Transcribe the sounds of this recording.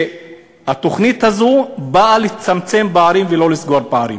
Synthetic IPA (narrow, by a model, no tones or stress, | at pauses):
hat̪o̞χnithazubaalit͡samt͡se̞mbaaɾimvelo̞lisɡoɾbaaɾḭm